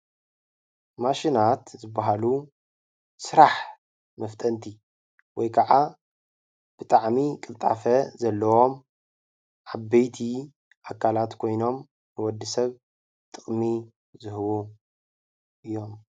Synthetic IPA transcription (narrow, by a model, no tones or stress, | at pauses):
maʃinat̪zɨbːaɦalu | sɨɾaħ | mɐft̪ʼʰɐnt̪ʰi | wɔjkʰaʕa | b̥ɨt̪ʼaʕmikʼɨlt̪ʼa̰fɐzɐlːɐwo̞m | ʔaβːɐjt̪ʰi | ʔakʰːalat̪kʰo̞jno̞m | bɨwɔd̪ːɨsɐβ | t̪ʼɨχʼmi | zɨhɨwu | ʔɨjːo̞m